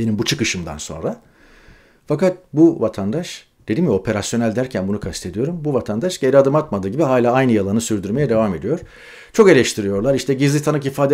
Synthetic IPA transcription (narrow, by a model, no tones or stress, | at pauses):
be̞nimbut͡ʃʰɯkɯʃɯmd̪a̰nso̞̰nɾa | fakat̪̚buvat̪ʰand̪aʃ | d̪̥ed̪imjɛo̞pʰe̞ɾasjo̞nælʲd̪æɾcʰænbunukʰast̪ʰe̞d̪ijo̞ɾumbuvat̪ʰand̪aʃɟe̞ɾʲiad̪ɯmat̪mad̪ɯːɟibiɦaːlʲaːajnɯjalˠanɯsyɾd̪yɾme̞jɛd̪e̞vame̞d̪ijo̞ɾ̥ | t͡ʃʰo̞ke̞lʲɛʃt̪ʰiɾijo̞ɾlˠaɾiʃt̪ʰɛɟizlʲit̪ʰanɯkifaːd̪e